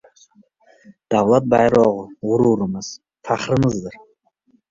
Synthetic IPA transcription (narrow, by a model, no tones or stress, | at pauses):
d̪̥awlat̪̚bajɾɔʁəʁʊɾuɾɨmɨz̥ | fʰaχrɨmɨzd̪ɨr